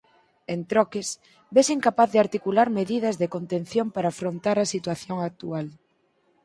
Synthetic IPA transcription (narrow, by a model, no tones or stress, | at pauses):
ent̪ɾɔkɪs | besiŋkapaθðɪaɾt̪ikulaɾmeðið̞ɐzðekont̪ẽnθjompaɾaːfɾont̪aɾɐsit̪waθjoŋak̚t̪ual